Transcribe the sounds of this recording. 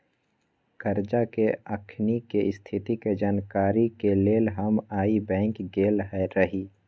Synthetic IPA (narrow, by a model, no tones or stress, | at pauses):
kəɾd͡ʒakeəkʰnikest̪ʰɪt̪iked͡ʒaːnkaːɾikeleːlɦəmaːibɛ̃ːŋkɡeːlɦɛɾəɦiː